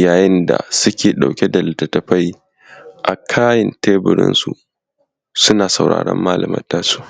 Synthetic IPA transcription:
jaː˨jɪ˦nda̰˨sʊ˦kʲeː˨ɗa˨wkʲe˦da˨lɪ˨tːɐ˨tɐ˨ɸa˦j | ʔa˨kʰaː˦jɪ˨nteː˦bɪ˨ɾɪ̰˦nsu˨ | sʊ˦naː˨sa˨wɽa̰ː˨ɽɐ̰˦mːaː˦lɐ˨mɐ̰˦ntaː˦su̥ː˦

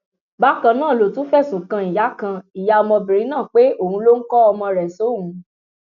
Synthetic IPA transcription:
ba˨˦kã˧nãː˦˨lo˨tũ˦fɛ˦˨sũ˨kã˧i˨ja˨˦kã˧i˨ja˨ɔ˧mɔ̃˧bĩ˨ɾĩ˨˦nãː˦˨k͡pe˨˦o˦˨hũ˧˦lo˦ŋ̩˦kɔ˦ɔ˧mɔ̃˧ɾɛ˨so˨˦ɦũ˨˧˦

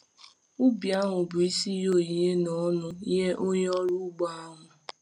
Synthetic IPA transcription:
ʊ˦bi˨a˦ɦʊ˨bʊ˨i˦si˦jo˦˨i˨ɦe˦nɔ˨˦nʊ˦i˦ɦe˦ʔo˦ɲ˦ɔ˦ɾu˦ɡ͡ba˦a˦ŋʊ˨

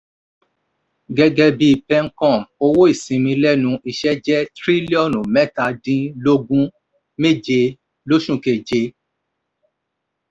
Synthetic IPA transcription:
ɡɛ˧ɡɛ˧bi˧pɛ˧ŋ̩˦kɔ̃˦˨mo˧wo˦i˦˨sĩ˨mĩ˧lɛ˦nũ˧i˧ʃɛ˦d͡ʒɛ˦tɾi˦li˦ɔ˦˨nu˨mɛ˦˨ta˧dĩ˧˦lo˦ɡũ˦ | me˦˨d͡ʒe˧ | lo˦ʃũ˦˨ke˨d͡ʒe˧

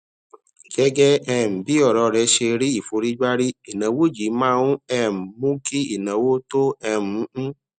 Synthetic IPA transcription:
ɡɛ˦ɡɛ˦ɛ˧˨m̩˨bi˦ɔ˦˨ɾɔ˧ɾɛ˧˦ʃe˧ɾi˦i˦˨fo˧ɾi˦ɡ͡ba˦ɾi˦i˨nã˨˦wo˦˨d͡ʒi˨˦mãː˦˧ũ˦ɛ˧˨m̩˨mũ˦ki˦ḭ˨nã˨wo˦to˦ɛ˧mũ˨˦

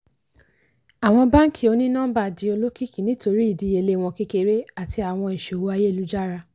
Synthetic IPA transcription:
a˨w̃ɔ̃˧ba˦ŋ̩˦ki˦˨o˧˦nĩ˦nã˦ba˦˨di˨˦o˧lo˦ki˦˨ki˨˦nĩ˦to˧ɾi˦i˦˨di˨˧˦e˧˨le˧˦˨w̃ɔ̃˧ki˦ke˧ɾe˦a˦˨ti˧a˨w̃ɔ̃˧i˨ʃo˨wo˨˦a˧je˦˨lu˨˦d͡ʒa˦ɾa˧

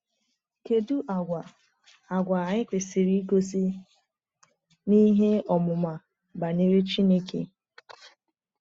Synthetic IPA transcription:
ke˨du˦ʔa˨ɡʷa˨ | a˨ɡʷa˨a˨ɲɪ˦kʷe˨si˨ɾi˦ɡo˦si˦ | ni˦ɦe˦ɔ˨mʊ˨ma˨ | ba˨ne˦ɾe˦t͡ʃi˦ne˦kḛ˨

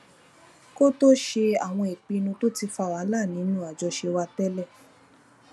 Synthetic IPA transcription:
ko˦to˦ʃe˧a˨w̃ɔ̃˧e˨k͡pi˧nũ˧to˦ti˧fa˧˨wa˨˦la˦˨nĩ˨˦nũ˦a˨d͡ʒɔ˧ʃe˧wa˧tɛ˦lɛ˦˨

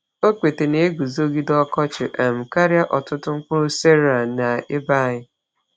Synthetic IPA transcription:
o˦kʷe˨te˨ne˨˦ɡu˨zo˦ɡi˦dɔ˦kɔ˦t͡ʃɪ˨ʔa˨m̩˨ka˦ɾja˦ʔɔ˨tʊ˦tʊ˦ŋ̩˦kʊ˦se˦ɾa˨na˨ɪ˦ba˦˨ɲɪ˦

